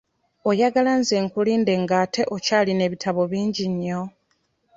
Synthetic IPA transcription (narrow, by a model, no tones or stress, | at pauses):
ojaɡalanze̞ːŋkuliːnde̞ŋɡaːtʰe̞ʔo̞caːline̞ːβitʰaβo̞βiːɲɟiɲːo